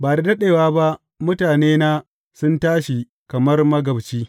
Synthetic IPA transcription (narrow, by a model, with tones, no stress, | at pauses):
baː˨da˨dɐ˦ɗeː˨waː˦ba˦ʔ | mʊ˦taː˨neː˦naː˦ | sʊ˦ntaː˦ʃi˨ | kɐ˨mɐ˦rmɐ˦ɡɐ˨bt͡ʃiː˦